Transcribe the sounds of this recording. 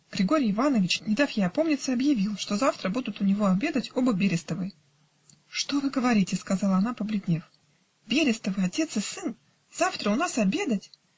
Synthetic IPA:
ɡ̥ɾʲɪɡo̞ɾʲɪjɪvanəvʲɪt͡ɕnʲɪd̪afjejɐpo̞mnʲɪt̪səɐbjɪvʲilˠʂt̪o̞zaft̪ɾəbud̪ʊt̪ʊnʲɪvo̞ɐbʲe̞d̪ətʲo̞bəbʲeɾʲɪst̪əvɨj | ʂt̪o̞vɨɡəvɐɾʲitʲɪskɐzɑlˠəɐnapəblʲɪdʲnʲe̞f | bʲeɾʲɪst̪əvɨɐtʲe̞t̪sɨsɨn | z̥aft̪ɾəʊnasɐbʲe̞d̪ətʲ

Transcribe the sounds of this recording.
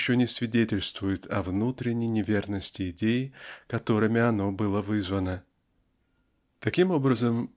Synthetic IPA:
ɕːonʲɪsvʲɪdʲetʲɪlʲst̪vʊjɪt̪ʰɐvnut̪ɾʲɪnʲːɪjnʲɪvʲernəsʲtʲɪɪdʲejɪkɐt̪o̞ɾɨmʲɪɐno̞bɨlˠəvɨzvənə | t̪ɐkʲimo̞bɾəzəm

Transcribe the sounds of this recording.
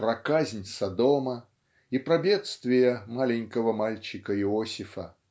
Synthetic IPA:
pɾɐkazʲnʲsɐd̪omɐ | ipɾɐbʲet̪st̪vʲɪjəmalʲɪnʲkəvəmalʲt͡ɕɪkəɪɔsʲɪfɐ

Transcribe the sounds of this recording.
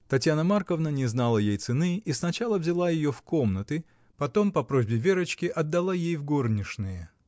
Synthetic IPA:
t̪ɐtʲjanəmarkəvnənʲɪznalˠəjejt̪sɨnɨisnɐt͡ɕalˠəvzʲɪlˠajɪjofko̞mnət̪ɨ | pɐt̪o̞mpɐpɾo̞zʲbʲɪvʲeɾət͡ɕkʲɪʔɐd̪ːɐlˠajejvɡo̞rnʲɪʂnɨjə

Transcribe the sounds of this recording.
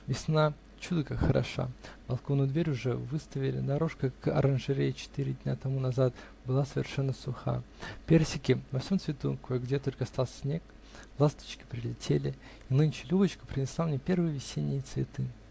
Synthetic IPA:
vʲɪsna | t͡ɕud̪əkaxəɾʔɐ̰ʂa̰bɐlˠkovnʊjd̪vʲeɾʲʊʐɛvɨst̪əvʲɪlʲɪ̰d̪ɐɾo̞ʂkəkɐ̰ɾʔənʐɨɾʲet͡ɕɪ̥t̪iɾʲɪd̪ʲnʲat̪ɐmunɐzat̪ | bɨlˠasəvʲɪ̰rʂɛnːəsʊxa̰ | pʲersʲɪkʲɪnɐfsʲo̞mt̪svʲɪt̪ukojɡdʲet̪o̞lʲkəst̪alˠssʲnʲe̞k | lˠast̪ə̥t͡ɕkʲɪ̥pɾʲɪlʲɪtʲʰelʲɪ | inɨnʲt͡ɕɪ̥lʲubət͡ɕkə̥pɾʲɪnʲɪslˠamnʲepʲe̞rvɨjəvʲɪsʲenʲɪjət̪svʲɪt̪ɨ

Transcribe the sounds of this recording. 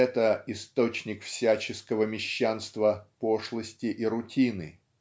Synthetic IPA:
ɛt̪əɪst̪o̞t͡ɕnʲɪkfsʲæt͡ɕɪskəvəmʲɪɕːanst̪vəpo̞ʂlˠəsʲtʲɪʔiɾʊtʲinɨ̰

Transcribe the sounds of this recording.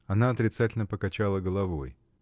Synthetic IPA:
ɐnaɐt̪ɾʲɪt̪satʲɪlʲnəpəkɐt͡ɕalˠəɡəlˠɐvo̰j

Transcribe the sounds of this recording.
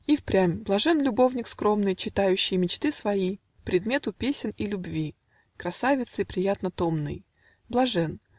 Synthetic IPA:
ifpɾʲamʲblˠɐʐɛnlʲʊbovnʲɪkskɾo̞mnɨjt͡ɕɪt̪ajʉɕːɪjmʲɪt͡ɕt̪ɨsvɐji | pɾʲɪd̪mʲe̞t̪ʊpʲesʲɪnilʲʊbvʲi | kɾɐsavʲɪt̪sɨipɾʲɪjat̪nət̪omnɨ̰j | blˠɐʐɛn

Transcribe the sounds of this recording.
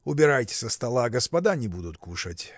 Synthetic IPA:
ʊbʲɪɾajtʲɪ̥səst̪ɐlˠaɡəspɐd̪anʲɪbud̪ʊt̪kuʂətʲ

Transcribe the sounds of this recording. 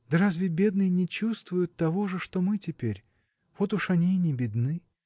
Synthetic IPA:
d̪ɐɾazʲvʲɪbʲe̞d̪nɨjɪnʲɪt͡ɕust̪vʊjʊt̪ːɐvo̞ʐɨʂt̪o̞mɨtʲɪpʲeɾʲ | v̥o̞t̪ʊʂɐnʲinʲɪbʲɪd̪nɨ

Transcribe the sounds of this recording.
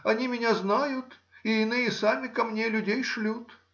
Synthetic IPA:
ɐnʲimʲɪnʲaznajʊt̪ɪɪnɨjəsamʲɪkɐmnʲelʲʉdʲejʂlʲut̪

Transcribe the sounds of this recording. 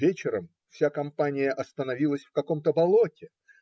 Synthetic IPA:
vʲet͡ɕɪɾəm | fsʲakɐmpanʲɪjəʔɐst̪ənɐvʲilˠəsʲfkɐko̞mt̪əbɐlˠotʲɪ

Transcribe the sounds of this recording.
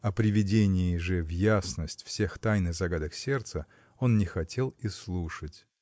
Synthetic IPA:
ɐpɾʲɪvʲɪdʲenʲɪɪʐɨvjasnəsʲtʲfsʲe̞xt̪ajnɨɣzɐɡad̪əksʲe̞rt̪sə | o̞nnʲɪxɐtʲʰe̞lˠislˠuʂətʲ

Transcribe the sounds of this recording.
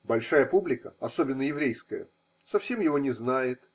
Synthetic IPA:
bɐlʲʂajəpublʲɪkəɐso̞bʲɪnːəjɪvɾʲejskəjə̰ | sɐfsʲe̞mjɪvo̞nʲɪznajɪt̪

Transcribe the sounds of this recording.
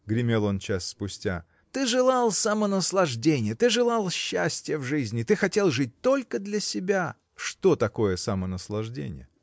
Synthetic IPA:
ɡɾʲɪmʲe̞lˠo̞nt͡ɕasːpʊsʲtʲa̰ | t̪ɨʐɨlˠɑlˠsɐmənəslˠɐʐdʲenʲɪjət̪ɨʐɨlˠɑlˠɕːæsʲtʲɪjəvʐɨzʲnʲɪt̪ɨxɐtʲe̞lˠʐɨt̚ʲt̪o̞lʲkəd̪lʲɐsʲɪbʲa | ʂt̪o̞t̪ɐko̞jəsɐmənəslˠɐʐdʲḛnʲɪ̰jə̰

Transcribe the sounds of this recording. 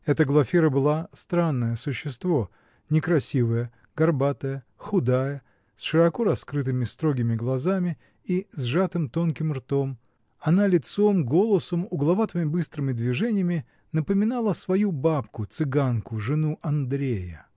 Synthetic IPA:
ɛt̪əɡlˠɐfʲiɾəbɨlˠast̪ɾanːəjəsʊɕːɪst̪vo̞ | nʲɪkɾɐsʲivəjə | ɡ̥ɐrbat̪əjə | xʊd̪ajə | sʂɨɾɐko̞ɾɐskɾɨt̪̬ɨmʲɪst̪ɾo̞ɡʲɪmʲɪɡlˠɐzamʲɪ | izʐat̪ɨmt̪o̞nkʲɪmrt̪o̞m | ɐnalʲɪt̪somɡo̞lˠəsəmʊɡlˠɐvat̪əmʲɪbɨst̪ɾɨmʲɪd̪vʲɪʐɛnʲɪjəmʲɪ | nəpəmʲɪnalˠəsvɐjubapkʊt̪sɨɡankʊʐɨnuʔɐnd̪ɾʲejə

